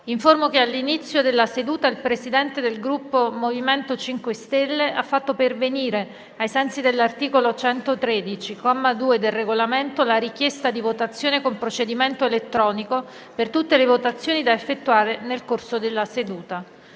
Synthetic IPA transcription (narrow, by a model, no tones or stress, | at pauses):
iɱformokealːinit̪sːjod̪elːased̪uːt̪ailpɾesid̪ɛnt̪ed̪elɡɾupːomoviment̪ot͡ʃiŋkwest̪elːeʔafːat̪ːoperveniːɾe | ajsɛnt̪sid̪elːart̪iːkolot͡ʃɛnt̪ot̪ɾed̪it͡ʃikɔmːad̪uːed̪elreɡolament̪olaɾikjest̪ad̪ivot̪at̪sːjoːnekompɾot͡ʃed̪iment̪oelet̪ːɾɔːniko | pert̪ut̪ːelevot̪at̪sːjoːnid̪aefːet̪ːuaːɾenelkorsod̪elːased̪uːt̪a